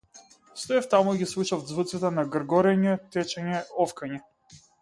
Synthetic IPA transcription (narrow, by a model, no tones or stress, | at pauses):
st̪ɔaft̪amuɡʲislˠut͡ʃavd̪zvɨt̪sɛt̪ɛnaɡɾɡɔɾɛɲɛt̪ɛt͡ʃɛɲɛɔfkaɲɛ